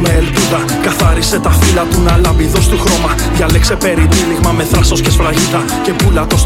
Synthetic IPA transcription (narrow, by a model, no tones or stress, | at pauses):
meːlp̪uðɐ | kɐθɐɾise̞t̪ɐfilɐt̪unɐlɐmbiðo̞st̪uxɾo̞mɐ | ðʝɐlekse̞pe̞ɾit̪iliɣmɐme̞θɾɐso̞scesfɾɐʝit̪ɐ | ce̞pulɐt̪o̞s